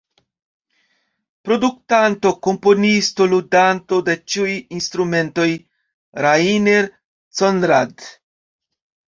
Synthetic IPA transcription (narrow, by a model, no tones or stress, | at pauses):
pɾo̞duk̚tanto̞ko̞mpo̞nisto̞ludanto̞de̞t͡ʃiujinst̪ɾume̞nto̞j | ɾaineɾ | t͡sonɾad